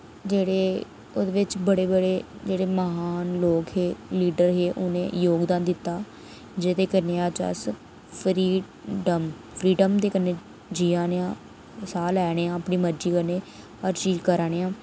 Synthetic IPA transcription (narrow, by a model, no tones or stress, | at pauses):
d͡ʒeːɽeː | od̪eːʋɪt͡ʃbəɽeːbəɽeːd͡ʒeːɽeːməɦaːnloːkɦeːliːɖəɾɦeːʔʊnḛ̃ːjoːɡd̪aːnd̪ɪt̪ːaː | d͡ʒed̪eːkəneːaːt͡ʃə̰s | pʰɾiː | ɖəm | pʰɾiːɖəmd̪eːkəneː | d͡ʒiːãːneãː | saːlɛːɽeːãːəpɳiːməɾd͡ʒiːkəneː | əɾt͡ʃiːd͡ʒkəɾaːɽ̃eːãː